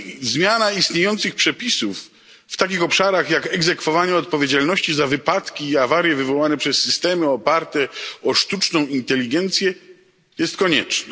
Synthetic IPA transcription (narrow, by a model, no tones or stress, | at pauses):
zmʲjanaist̪ɲejɔnt̪sɨxpʂɛpʲisufː | t̪akʲixɔpʂaɾaxjakɛɡzɛkfɔvaɲɛɔt̪̚pɔvʲjed͡ʑalnɔɕt͡ɕizavɘpat̪kʲiːavaɾʲjɛvɘvɔwanɛpʂɛsːɘst̪ɛmɘɔpaɾt̪ɛɔʂt̪ut͡ʂnɔ̃w̃int̪ɛlʲːiɡɛnt̪sʲjɛ | jɛst̪kɔɲɛt͡ʂna